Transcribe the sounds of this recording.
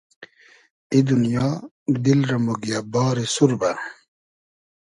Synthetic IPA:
id̪unjɔː | d̪ilɾɐmoɡijabɔːɾesuɾba

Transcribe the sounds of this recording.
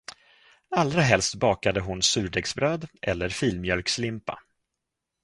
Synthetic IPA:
ald̪ɾaɦɛlst̪bɑːkad̪əɦʊnsʉ̟ːɖɛɡsbɾøːd̪ʔɛ̰lːəɾfiːlmjœlkslɪmpa̰

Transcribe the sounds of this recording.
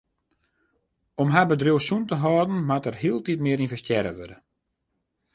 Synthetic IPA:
ɔmɦabədrjowsuntəɦɔːdn̩matərhiəlˠtitmɪəɾinfvəstjɛɾə̰ʋødə

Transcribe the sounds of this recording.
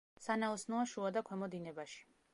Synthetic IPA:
sanaɔsnɔaʃuad̪akʰwɛmɔd̪inɛbaʃi̥

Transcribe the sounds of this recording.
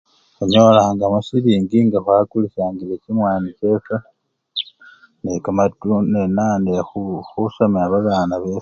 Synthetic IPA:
eɲo̞laŋɡamusiβiːŋɡiŋɡaxwakulisaːŋɡilecimwaːnice̞ːka | nekamatunenaːndexuxusamiaβaβaːnaβeːs

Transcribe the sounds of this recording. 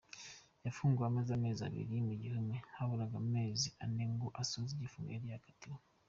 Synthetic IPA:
jafuːŋɡuameːzame̞ːza̰βḭɾijmiɟihumehaβuɾaɡamume̞ːzianeŋɡoʔasoziɟifuŋɡa̰eiakḁtu

